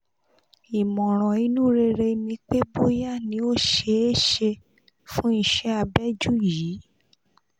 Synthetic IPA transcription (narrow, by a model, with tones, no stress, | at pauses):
i˨mɔ̃˨ɾ̃ɔ̃˨i˦nũ˦ɾe˧ɾe˧nĩ˧k͡pe˦bo˦ja˦˨nĩ˧˦o˦ʃe˧˦e˦ʃe˧ | fũ˦i˧ʃɛ˦a˧bɛ˦d͡ʒu˦jiː˨˦